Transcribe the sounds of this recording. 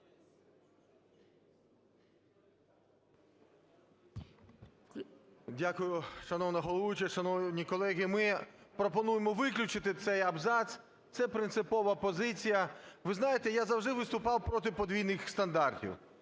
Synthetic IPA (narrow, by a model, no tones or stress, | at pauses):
dʲakʊjʊʃɐnɔwnɐɦɔlˠɔʋʊt͡ʃɐʃɐnɔwnʲikɔlˠɛɦʲɪmɪpɾɔpɔnujemɔʋɪklʲʊt͡ʃɪt̪ɪt̪sɛjɐbzɑsʲ | t̪sɛpɾɪnt̪sɪpɔʋɐpɔzɪt͡sʲijɐʋɪznɑjet̪ɛjazɐwʐd̪ɪʋɪst̪ʊpɑwpɾɔt̪̬ɪpɔd̪ʲʋʲijnɪxst̪ɐnd̪ɑrtʲḭw